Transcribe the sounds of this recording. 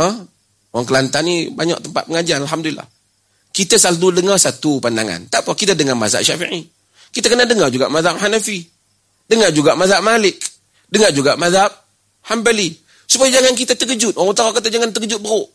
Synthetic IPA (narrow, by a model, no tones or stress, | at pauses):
ə | oaŋkəlant̪anibaɲa̰k̚t̪əmpa̰t̪̚pəŋad͡ʒanalɦamdulila̰h | kit̪asaltudəŋarsat̪upandaŋa̰nt̪apakit̪adəŋama̰za̰ʔʃafḭʕi | kit̪akənahdəŋard͡ʒuɡa̰ʔmaðap̚hanafi | dəŋard͡ʒuɡaʔmaðaʔ̚malɪk̚ | dəŋard͡ʒuɡaʔmaðap̚ | hambali | supajad͡ʒaŋank̬it̪at̪əkəd͡ʒʊt̪̚ʔoaŋut̪aaʔkat̪̬ad͡ʒaŋant̪əkəd͡ʒʊt̪̚bəɾʊʔ